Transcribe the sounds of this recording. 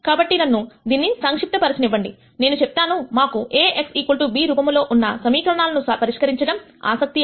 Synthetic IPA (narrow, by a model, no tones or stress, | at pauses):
kaːbɐʈːinɐnːud̪iːnːisaŋkʂip̚ʈ̪ɐpɐɾɐsɐniʋːɐɳɖi | ne̞ːnut͡ʃep̚t̪aːnumaːkueːʔeksiːkulʈubiːɾubɐmlo̞ːʔunːɐsɐmiːkɐɾɐɳaːlɐnusɐpɐɾiʂkɐɾiɲt͡ʃɐɽɐm | a̰ːsɐk̚t̪i